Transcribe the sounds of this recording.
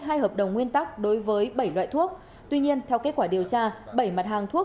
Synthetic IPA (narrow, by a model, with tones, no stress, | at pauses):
ɦaː˧jɦəː˨˩p̚ɗə˨˩wŋ͡mŋwi˧ənt̪a˦˥k̚ɗo˨˦jvəː˨˦jɓə˧˩jlwa̰ː˧˨jt̪ʰu˦˥ək̚ | t̪wi˧ɲi˧ənt̪ʰɛ˧wke˦˥t̚kwaː˧˩ɗi˨˩əwt͡ɕaː˧ɓə˧˩jma˨˩t̚ɦaː˨˩ŋt̪ʰu˦˥ə